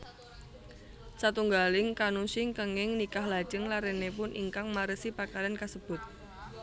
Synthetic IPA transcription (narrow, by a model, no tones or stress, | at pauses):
sat̪uŋɡalɪŋkanusɪŋkəŋɪŋnikahlḁʒ̥əŋlaɾenepʊnʔḭŋkaŋmaɾəsipakalankasəb̥ʊt̪̚